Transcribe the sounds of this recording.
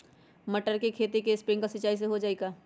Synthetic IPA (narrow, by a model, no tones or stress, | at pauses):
mɐʈəɾkekʰeːt̪ikespɾɪ̃ŋɡkasɐt͡ʃaːis̬eɦod͡ʒaːeːɡaː